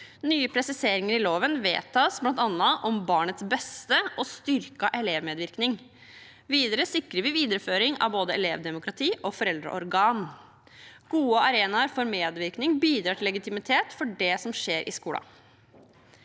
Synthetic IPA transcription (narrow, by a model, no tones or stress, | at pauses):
nyːəpʰɾɛsɪseːɾɪŋəɾɪloːʋənʋḛːt̪ʰɑːsblɑnt̪ɑnːɑʔɔmbɑːɳət̪sbɛst̪əʔɔst̪ʏɾkɑʔɛleːʋmeːd̪ʋɪɾknɪŋ | ʋiːd̪əɾəsɪkɾəʋɪʋiːd̪əɾəføːɾɪŋɑ̰ʋboːd̪əɛ̰leːʋd̪ɛmʊkɾɑt̪ʰiːʔɔfɔɾɛld̪ɾə̰ʔɔ̰ɾɡɑːn | ɡ̥uːəɑɾeːnɑɾfɔɾmeːd̪ʋɪɾknɪŋbiːd̪ɾɑːʈʰɪlːɛɡɪt̪ɪmɪt̪ʰeːt̪fɔɖɛsɔmʂeːɾʔɪ̰skuːlɑ̰